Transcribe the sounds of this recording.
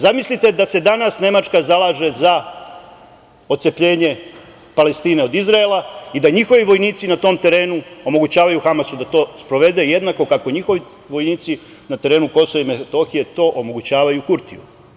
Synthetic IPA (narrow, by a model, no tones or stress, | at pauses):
zamislit̪e̞d̪ase̞d̪anasne̞mat͡ʃkazalˠaːʒe̞za | o̞t̪sepʎe̞ːɲe̞ | pale̞st̪iːne̞o̞d̪izɾaelˠaid̪aɲixo̞ʋiʋo̞jniːt̪sinat̪o̞ːmt̪e̞ɾe̞ːnuo̞mo̞ɡut͡ɕaːʋajuxamasud̪at̪o̞ːspɾo̞ʋe̞d̪e̞je̞d̪nako̞kako̞ɲixo̞ʋi | ʋo̞jniːt̪si | nat̪e̞ɾe̞ːnuko̞soʋaimefet̪o̞xije̞t̪o̞ːʔo̞mo̞ɡut͡ɕaːʋajukuɾt̪ḭju